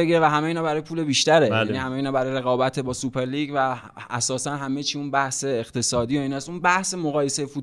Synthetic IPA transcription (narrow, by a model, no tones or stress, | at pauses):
eɡiɾevæɦæmejiːnɒːbæɾɒːjepʰuːle̞biːʃt̪æɾejæniːhæmeiːnɒːbæɾɒːjɾe̞ɣɒːbæt̪ʰebɒːsupʰe̞ɾliːɟvæ | æ̰sɒːsænɦæme̞t͡ʃʰiːunbæhse̞ːxt̪ʰe̞sɒːd̪ijoiːnæsunbæhsemoɣɒːje̞sejefut̪